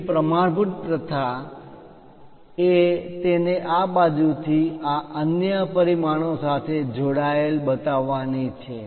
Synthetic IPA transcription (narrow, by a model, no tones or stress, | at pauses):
pɾəmaɽbʱuʈ̚pɾət̪ʰa | et̪eneʔabad͡ʒut̪ʰiaʔənjəpəɾimaɽ̃osat̪ʰed͡ʒoɽaelbət̪aʋːanit͡ʃʰe